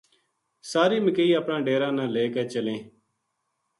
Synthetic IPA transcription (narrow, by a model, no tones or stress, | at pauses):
saːɾiːməkeiːapɳãːɖeːɾãːnãːleːkeːt͡ʃəlẽː